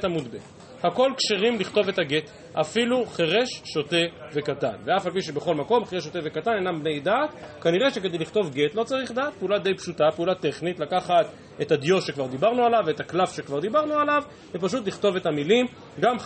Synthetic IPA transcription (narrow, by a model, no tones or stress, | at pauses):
tamud̪be | hako̞lkʃeʁimliχt̪o̞ve̞thaɡet | afiluχeʁeʃːot̪eve̞kata̰nveafalp̬iʃ̬ebeχo̞lmako̞mχeʁeʃ̬ot̪evekatanejnambnejd̪at̪kaniʁeʃek̬e̞d̪ejliχt̪o̞vɡe̞t̪lo̞t͡saʁiχd̪aːt̪̚peulad̪e̞jpʃut̪apeulat̪e̞χnit̪lakaχat̪ | et̪ad̪jo̞tʃe̞kvaʁd̪ibaʁnualaveet̪aklafʃekvaʁd̪ibaʁnualav | vepaʃ̬ut̪̬liχto̞ve̞t̪hamilim | ɡam